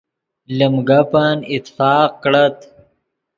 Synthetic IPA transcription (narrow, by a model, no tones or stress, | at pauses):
ləmɡapanɪt̪ːfaːq̚kɽat̪